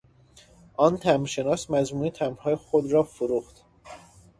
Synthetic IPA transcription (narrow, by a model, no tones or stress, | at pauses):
ʔɒːnt̪ʰæmɾʃe̞nɒːsmæzmuːit̪ʰæmɾhɒːjexod̪ɾɒːfoɾuːxt̪